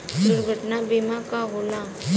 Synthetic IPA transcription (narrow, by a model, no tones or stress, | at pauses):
d̪uɾɡʱəʈnabiːmakaɦoːla